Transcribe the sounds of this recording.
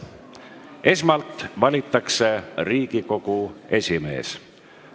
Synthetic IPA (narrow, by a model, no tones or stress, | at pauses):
e̞smɑlt̪ˑvɑlʲit̪ːˑɑkse̞riːɡ̥iko̞ɡ̥ue̞sʲime̞̰ːs